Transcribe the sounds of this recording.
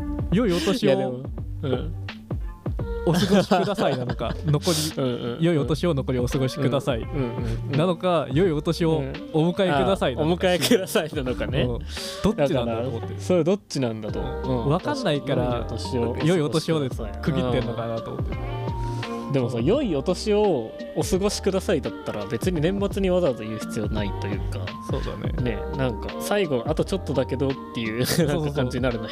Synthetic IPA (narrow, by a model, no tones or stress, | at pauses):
jo̞io̞t̪o̞ɕioɯ̃ | osɨɡoɕi̥kɯd̪asainano̞ka̰no̞ko̞ɾʲĩjo̞io̞t̪o̞ɕio̞no̞ko̞ɾʲio̞sɨɡo̞ɕi̥kɯ̟d̪asaiɯ̃nano̞kajo̞io̞t̪o̞ɕio̞ː | mɯ̟kaekɯ̟d̪asaiomɯ̟kaekɯd̪asainanokaneɯ̃ː | d̥̪od̪akːikanɾaot̪ːsoɾed̪o̞t͡ɕːinãnd̪at̪o̞̰ɯ̃ːβakanːaikkaɾat̪oɕiojoiot̪oɕiod̪eskɯɯĩːenːokanat̪omot̪ːe | d̪e̞mo̞saːjo̞io̞t̪o̞ɕio̞ː | sɨɡo̞ɕi̥kɯ̟d̪asaid̪at̪ːaɾabe̞t͡sɨɲ̟inẽ̞mːat͡sɨɲ̟iβazat̪o̞jɯ̟ːçi̥t͡sɨjo̞nait̪o̞jɯ̟̰ːka̰so̰ːd̪a̰nḛne̞̰nãŋkasaiɡo̞ʔat̪o̞t͡ɕo̞t̪ːo̞d̪ake̞d̪o̞t̪ːe̞jɯ̟ːnãkːakãɲd͡ʑiɲʲinaɾɯno